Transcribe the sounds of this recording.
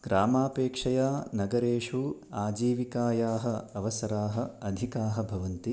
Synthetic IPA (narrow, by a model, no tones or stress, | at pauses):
ɡ̥ɾaːmaːpeːkʂɐjaːnɐɡɐɾeːʂuaːd͡ʒiːʋikaːjaːɦɐ̆ɐʋɐsɐɾaːɦɐ̆ɐd̪ʱikaːɦɐ̆bʱɐʋɐnt̪i